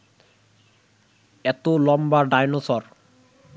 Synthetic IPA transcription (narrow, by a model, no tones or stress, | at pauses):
ɛt̪olɔmbaɖajnosɔɾ